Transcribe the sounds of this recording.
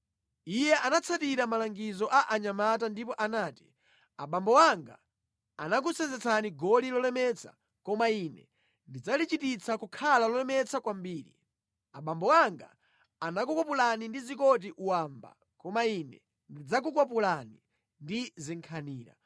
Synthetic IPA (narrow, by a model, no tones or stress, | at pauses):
ijɛʔanat͡sʰatiɾamalaŋɡizɔʔaʔaɲamat̬andipɔʔanaːti̥ | aɓambɔwaŋɡa̰ | a̰nak̬ut͡sɛnzɛt͡sʰaniɡɔlilɔlɛmɛt͡sʰḁ̰ | kɔmainɛ̰ | ndid͡zalit͡ʃitit͡sʰakukʰalalɔlɛmɛt͡sʰakwambiːɾḭ | aɓambɔwaŋɡa̰ | anakukɔpulanindizikɔt̬iʔuwamba̰ | kɔmainɛ̰ | ndid͡zak̬uk̬wap̬ulani | ndiziŋkʰaniːɾa̰